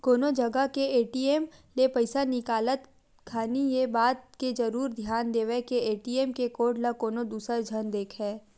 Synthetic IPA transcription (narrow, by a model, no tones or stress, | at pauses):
koːnod͡ʒɐɡəkeeːʈiːeːmlepɐɪsanɪkaːlət̪ | kʰaːnijebaːt̪ked͡ʒɐɾuːɾd̪ʱjaːnd̪eːʋɛkeeːʈiːeːmkekoːʈlakoːnod̪uːsɾəd͡ʒʱənd̪eːkʰɦɛː